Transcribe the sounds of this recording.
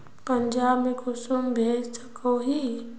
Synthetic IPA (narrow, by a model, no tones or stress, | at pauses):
pəɲd͡ʒaːbmẽkʊsumbʱeːd͡ʒsə̥koɦiː